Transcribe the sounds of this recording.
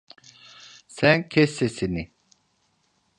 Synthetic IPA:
sɛnkʰesesini

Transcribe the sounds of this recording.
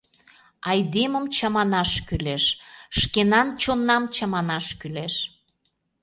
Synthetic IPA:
ɑjd̪eməmt͡ɕɑmɑnɑʃkyleʃʃkenɑnt͡ɕonːɑmt͡ɕɑmɑnɑʃkyleʃ

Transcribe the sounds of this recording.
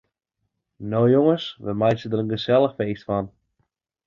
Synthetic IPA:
nowjoŋəsʋəmajtsədərənɡəsɛlˠəxfeːstfɔn

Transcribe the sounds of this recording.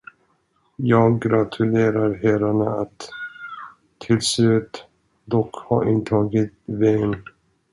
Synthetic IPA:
jɑːɡɾat̪ʰɵleːɾaɾɦæɾaɳaat̪ | ɪlslʉ̟ːt̪ | d̪ɔkhɑ̰ɾɪnt̪ʰɑːɡɪt̪vɛn

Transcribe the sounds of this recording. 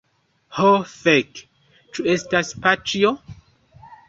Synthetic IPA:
hofek | t͡ʃuestaspat͡ʃio

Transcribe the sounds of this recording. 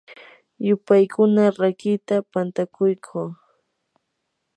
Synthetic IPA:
jʊpajkʰʊnaɾakɪt̪apant̪akʊjkʰuː

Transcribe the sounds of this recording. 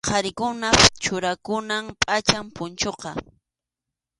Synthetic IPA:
qʰɑɾɪkʊnat͡ʃʊɾakʊnampʼat͡ʃampʊnt͡ʃoqɑ

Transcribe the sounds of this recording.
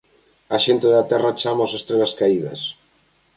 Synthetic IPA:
aʃent̪eðeat̪ɛrat͡ʃamosest̪ɾelaskaiða̰s

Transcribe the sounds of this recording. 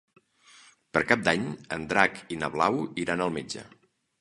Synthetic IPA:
pəɾkap̚d̪aɲənd̪ɾakinəβlawiɾanəlˠmed͡ʒə̰

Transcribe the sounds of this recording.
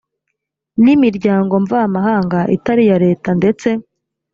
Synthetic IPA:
nimiɾɟaːŋɡo̞ɱvaamaɦaːŋɡaʔḭtaɾijaɾe̞ːtande̞t͡se̞

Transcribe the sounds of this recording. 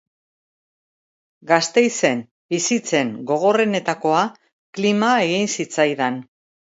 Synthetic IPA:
ɡast̪e̞jse̞n | bisit͡se̞ŋɡo̞ɣ̞o̞re̞ne̞t̪ako̞a | klimae̞ɣinsit͡sajðan

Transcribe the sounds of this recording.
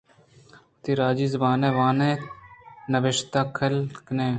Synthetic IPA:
t̪iɾaːd͡ʒiːzɐbaːneːʋãːnẽː | nəʋɪʃt̪aːkʰəlkneː

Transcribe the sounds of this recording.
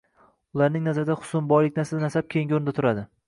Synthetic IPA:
ʊlˠaɾnɪŋnazaɾɪd̪aχʊ̥sʊmbɒjlɪkʲnasad̪anasap̚kʲʰejŋɡʲoɾnd̪at̪ʰʊɾad̪ɪ

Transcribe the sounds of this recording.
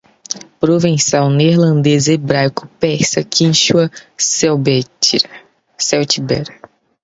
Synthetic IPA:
pɾovẽsawneɾlɐ̃nd̪ezɐebɾajkʊ̥pɛsɐkʰĩʃuɐsɛwbɛ | sɛwt͡ʃibɛɾɐ

